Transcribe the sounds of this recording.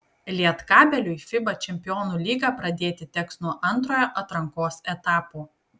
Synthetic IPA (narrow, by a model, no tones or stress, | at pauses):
lʲiɛt̪kɑːbʲɛlʲʊifʲɪbɐt͡ʃʲɛmʲpʲɪjɔːnuːlʲiːɡɑːpɾɐd̪ʲeːt̪ʲɪt̪ʲɛksnuɔʔɐnˑt̪ɾoːjoːʔɐt̪ɾɐŋkoːsɛt̪ɑːpuː